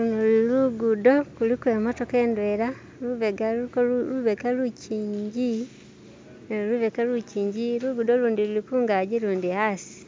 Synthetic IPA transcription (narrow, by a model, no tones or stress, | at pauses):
lunoluiluɡudo̞kulikwe̞ːmo̞to̞ke̞ːndweɾa | luβeɡakoluβekaluciːɲɟi | luβekaluciːɲɟiluɡudo̞luːndilulikuːŋɡaɟiluːndihasi̥